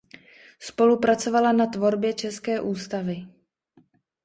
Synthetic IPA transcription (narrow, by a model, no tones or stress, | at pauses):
spo̞lupɾat͡so̞valanat̪vo̞ɾbjɛt͡ʃɛskɛːʔuːst̪avɪ